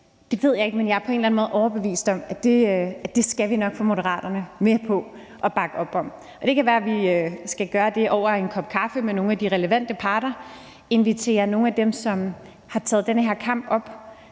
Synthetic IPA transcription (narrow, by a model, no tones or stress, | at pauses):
d̥e̝ʋe̝ð̞̰ˠjɑ̈e̝ɡ̥̚menjɑ̈æɐpʰɒe̝ːnlænmoːð̩ˠɒʊɐb̥e̝ʋḭːsd̥ɒ̽mæd̥e̝æd̥e̝sɡ̥æʋinɒ̽ɡ̥fɔ̽mo̝ɾəʁɑ̰̈ːd̥ɐnəmepʰɒ̽ | ʔɒ̽b̥ɑ̈ɡ̥əɒ̽b̥ɒ̽m̰ | ɒ̽d̥e̝kʰæʋæːɐæʋiøsɡ̥æɡ̥ɶːɐd̥e̝ʔɒʊ̰ɐe̝nkʰɒ̽b̥̚kʰɑ̈fəmeno̝ːn̩æd̥iʁɛləʋæn̰d̥əpʰɑ̈ːɾ̥ɐ | e̝nʋit͡sʰe̝̰ːɐno̝ːŋ̩æd̥emsɒ̽m | hɑ̈t͡sʰɛːð̩ˠd̥enəɦeɐ̰kʰɑ̈m̰b̥ɒ̽b̥